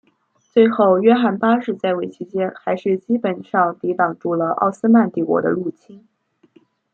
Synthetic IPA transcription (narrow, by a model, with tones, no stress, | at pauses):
t͡swe˥˧ɪxo˥˧ʊɥɛ˥xa˥˩npa˥ʂɻ̩˥˧t͡sa˥˩ɪwe˧˨˩ɪt͡ɕʰi˧˥t͡ɕjɛ˥nxa˧˥ɪʂɻ̩˥˩t͡ɕi˥pə˨˩nʂɑ˥˩ŋt̪i˧˥t̪ɑ˨˩ŋʈ͡ʂu˥˩lə˩ʔɑ̰˥˩ʊsɹ̩˥ma˥˧nt̪i˥˩kwɔ̰˧˥d̪ə̰˧lu˥˩t͡ɕʰi˥n